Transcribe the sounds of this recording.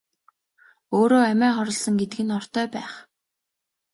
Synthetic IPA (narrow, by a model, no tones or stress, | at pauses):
oːɾoːæmæːχɔɾɞ̆ɮsɞ̆ŋɡet̪ɘ̆ɡɘ̆nɔr̥t̪œːpæːχ